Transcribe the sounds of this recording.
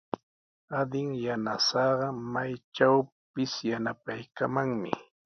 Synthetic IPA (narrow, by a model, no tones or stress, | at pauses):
ad̪ɪŋjanasɑɢɑmajt͡ʃaw | pɪsjanapajkamaŋmɪ̰